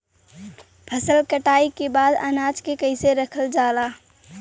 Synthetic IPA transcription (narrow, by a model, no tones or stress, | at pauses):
pʰɐsəlkəʈaːikebaːd̪a̰naːd͡ʒkekəɪseɾəkʰəld͡ʒaːlaː